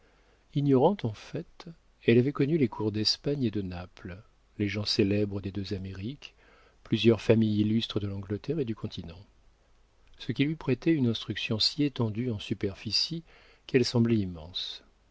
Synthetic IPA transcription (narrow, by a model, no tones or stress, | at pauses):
iɲɔʁɑ̃t̪ɑ̃fɛt̪ | ɛlavɛkɔnylekʰuʁd̪ɛspaɲed̪ənapl | leʒɑ̃selɛbʁəd̪ed̪øzameʁik | plyzjœʁfamijilːyst̪χəd̪əlɑ̃ɡlət̪ɛʁed̪ykʰɔ̃t̪ʰinɑ̃ | səkʲilɥipχɛt̪ɛynɛ̃st̪χyksjɔ̃siet̪ɑ̃d̪yɑ̃sypɛʁfisi | kɛlsɑ̃blɛimɑ̃s